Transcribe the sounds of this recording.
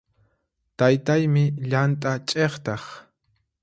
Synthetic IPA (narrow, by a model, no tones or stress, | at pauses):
t̪ajt̪ajmɪʎant̪ʼat͡ʃʼeχt̪ɑχ